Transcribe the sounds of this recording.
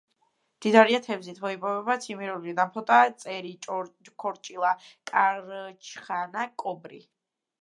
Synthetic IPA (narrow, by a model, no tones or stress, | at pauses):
d̪̥id̪aɾiat̪ʰɛvzit̪ʰmɔipʼɔvɛbat̪sʰimiɾulid̪ampʰɔt̪ʼat̪sʼɛɾikʰɔɾt͡ʃʼilˠakʼaɾt͡ʃʰχanakʼɔbɾḭ